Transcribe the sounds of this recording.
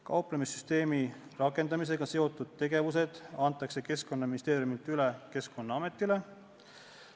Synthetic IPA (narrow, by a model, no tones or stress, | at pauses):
kɑwpˑlemisːyst̪e̞ːmirɑkːˑe̞nd̪ɑmis̬e̞ɡ̥ɑse̞o̞t̪ːˑud̪̥̚t̪e̞ɡe̞vus̬e̞d̪̥ɑnt̪ːˑɑkse̞ke̞sko̞nːɑminist̪e̞ːɾjumilt̪ˑyleke̞sko̞nːɑɑme̞t̪ːˑile̞